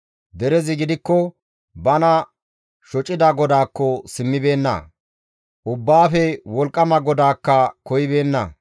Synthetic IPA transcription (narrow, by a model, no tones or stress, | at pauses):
d̪ɛɾɛzɪɡɪd̪ɪkːɔ | bɐnɐ | ʃɔt͡ʃʼːɪd̪ɐɡɔd̪aːkːɔsɪmːɪbe̞ːnːɐ̰ | ʔʊbːaːfɛwɔlkʼːɐmɐɡɔd̪aːkːɐkɔjɪbe̞ːnːɐ̰